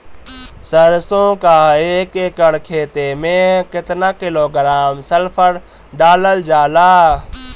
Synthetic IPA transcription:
səɾsõːkaːeːkeːkəɽkʰeːt̪emẽkɪt̪naːkɪloːɡɾaːmsəlpʰəɽ | ɖaːləld͡ʒaːlaː

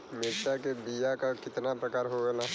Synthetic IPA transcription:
mɪɾʃakebijakakɪt̪napɾɐkaːɾɦoɡɐla

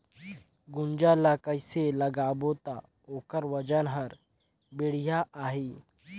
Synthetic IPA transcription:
ɡund͡ʒalakəjseləɡabot̪a | okəɾʋəd͡ʒənɦəɾ | biɽ̤ijaʔaɦi

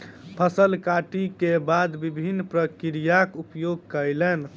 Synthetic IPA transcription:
pʰəsəlkaʈikebad̪bibʱinːpɾəkiɾijakupjoɡ̚kəjlɛn

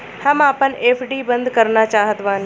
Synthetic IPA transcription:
hɐmaːpəneːpʰɖiːbə̃nd̪kəɾnat͡ʃaːɦət̪ʋãːn

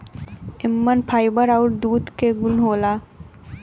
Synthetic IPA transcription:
ɪmːənpʰaːɪbəɾaʊʈ̚d̪uːd̪keɡʊnɦoːlaː

